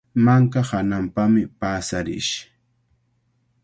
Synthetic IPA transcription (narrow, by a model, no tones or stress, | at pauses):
maŋkahanampamɪpaːsaɾɪ̰ʃ